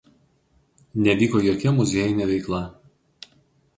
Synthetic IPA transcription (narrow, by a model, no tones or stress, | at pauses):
nʲɛʋʲiːkoːjoːkʲɛmʊzʲeːjɪnʲɛʋʲɛɪklˠɐ